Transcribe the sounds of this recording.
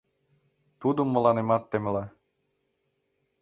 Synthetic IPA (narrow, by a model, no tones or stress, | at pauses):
t̪ud̪omːə̆lɑnemɑt̪ːemlɑ